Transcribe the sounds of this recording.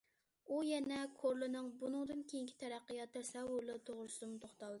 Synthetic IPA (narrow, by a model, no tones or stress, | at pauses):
ujɛnɛkʰoɾlˠɨnɨŋbunɨŋd̪ɨnkʲʰejiŋkʲʰi̥t̪ʰɛɾæqːɨjɑt̪ʰːɛɾsɛwːʊɾlˠɨt̪ʰoʁɾʊsɨd̪ɨmt̪ʰoχt̪ɑlˠd̪ɨ